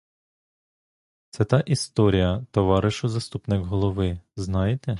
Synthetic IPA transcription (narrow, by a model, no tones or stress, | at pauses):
t̪sɛt̪ɑʔist̪ɔɾʲijɐt̪ɔʋɑɾɪʃʊzɐst̪upnɪkɦɔlˠɔʋɪznɑjet̪ɛ